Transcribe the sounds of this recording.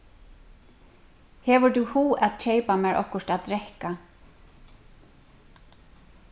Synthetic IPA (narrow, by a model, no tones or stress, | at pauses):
hɛvʏɾt̪uhuːɛðt͡ʃʰeːjpamɛɹʔɔ̰hkʊʂt̪aðd̪ɾɛhka